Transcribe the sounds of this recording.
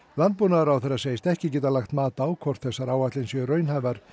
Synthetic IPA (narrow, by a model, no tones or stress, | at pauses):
lant̪̚punaɾawθɛrːḁseːjst̪ɛhcɪcɛːt̪alaxt̪maːt̪aaːwkʰvɔr̥t̪θɛsːaɾawat̪lɪnsjɛrœːɥnhavaɾ̥